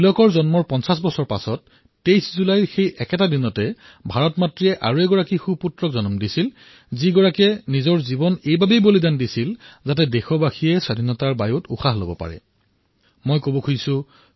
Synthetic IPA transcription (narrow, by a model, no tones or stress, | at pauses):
bilɔkɔɹzɔnmɔɹpɔnsas̬bɔsɔɹpa̰sɔtː | ejszulajxejɛkɛtadinɔtɛ | bʱaɹɔtmatɹiɛʔaɹuɛɡɔɹakixuputɹɔkzɔnɔmdisil | ziɡɔɹakɛnizɔɹzibɔnejbabejbolidandisilzatɛdexɔbaxʰijɛsadʱinɔtaɹbajutṵxʰaɦlo̰bɔpa̰ɹɛ̰ | mojkobɔkʰusʊ